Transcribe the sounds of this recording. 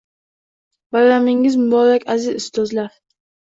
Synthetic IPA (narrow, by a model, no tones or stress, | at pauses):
baɾɾamɪŋɪzmʊbɒɾakʲazɪzɪst̪ɒzlaɾ